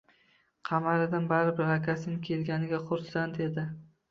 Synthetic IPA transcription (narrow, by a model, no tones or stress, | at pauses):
qʰɑmaɾɪd̪anbaɾɪbɪɾakʲasɪnɪkʲʰe̞lɡʲanɪɡʲaχʊɾsant̪ed̪ɪ